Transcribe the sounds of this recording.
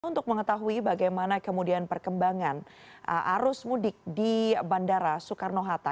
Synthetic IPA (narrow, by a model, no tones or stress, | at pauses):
unt̪ʊk̚məŋət̪aɦuibaɡajmanakəmudianpərkəmbaŋanə̰ʔa̰ɾʊsmudɪk̚dibandaɾasukarnoɦat̪a